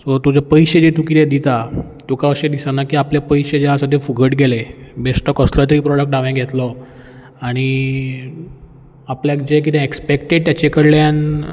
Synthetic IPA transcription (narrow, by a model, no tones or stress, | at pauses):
sɔt̪ud͡ʑapəjɕed͡ʑeʈ̪ukiled̪it̪a | t̪ukaəɕed̪isanakiːapljapəjɕed͡ʑeəsat̪efuɡʱəʈɡʱelebesʈɔkəslat̪ɾiːpɾɔɽək̚ʈɖaʋẽɡʱet̪lɔ | aɽ̃i | apljakd͡ʑek̬it̪ɛ̃ekspekʈeɖ̚t̪jat͡ɕekəɽljan